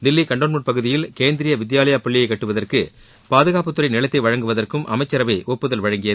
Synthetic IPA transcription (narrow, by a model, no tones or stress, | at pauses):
d̪ɪlːikɐɳɖoːnmuʈpɐɣɯðɪjɪlkeːnd̪ɪɾɪjɐʋɪd̪jaːlɐjapɐɭːɪjɐɪkːɐʈːɯʋɐðɐrkɯ | paːðɯɣaːpɯt̪ːɯɾɐɪnɪɭɐt̪ːɐɪʋɐɻɐŋɡɯʋɐðɐrkɯmʔɐmɐɪt͡ʃːɐɾɐʋɐɪʔɔpːɯðɐlʋɐɻɐŋɡɪjɐ